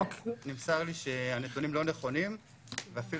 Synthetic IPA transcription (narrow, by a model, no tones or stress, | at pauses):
nimsaʁliʃe̞anedunimlo̞ne̞χo̞nim | veafi